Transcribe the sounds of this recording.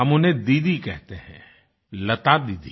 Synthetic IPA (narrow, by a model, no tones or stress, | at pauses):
ɐmʊnẽd̪iːd̪ikɛɦt̪eɦɛ̃ | lɐt̪ad̪iːd̪i